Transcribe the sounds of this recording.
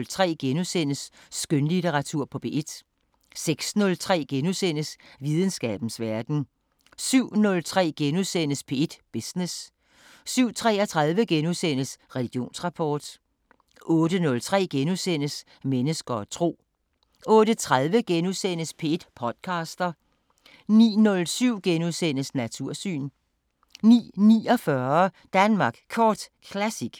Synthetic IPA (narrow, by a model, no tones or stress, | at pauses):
lt͡sʰʁɛ̰ːɡ̥enusen̰əsːɡ̥ønlit͡sʰeʁɑ̈t͡sʰuɐ̰pʰɒ̽b̥ʰe̝ʔed̥ | seɡ̥snɔ̽lt͡sʰʁɛ̰ːɡ̥enusen̰əsʋið̞ˠən̩sɡ̥ɛ̰ːb̥n̩sʋæɐd̥n̩ | syʊ̰nɔ̽lt͡sʰʁɛ̰ːɡ̥enusen̰əspʰe̝ed̥b̥isnes | syʊ̰t͡sʰʁɛ̰ːɐt͡sʰʁað̞ˠʋəɡ̥enusen̰əsʁɛliɡ̥jo̝̰ːnsʁɑ̈pʰɒːd̥ | ʔɔ̽ːd̥ənɔ̽lt͡sʰʁɛ̰ːɡ̥enusen̰əs | menəsɡ̥ɐt͡sʰʁo̝̰ː | ɔ̽ːd̥ət͡sʰʁaðˠʋəɡ̥enusen̰əspʰed̥pʰɒ̽d̥kʰɑ̈ːsd̥ɐ | nḭːnɔ̽lsyʊ̰ɡ̥enuðˠsen̰əsnæt͡sʰuɐ̰sy̰ːn | nḭːnḭːɒfɶɐ | d̥ænmɑ̈ːɡ̥kʰɒːd̥kʰlæsiɡ̥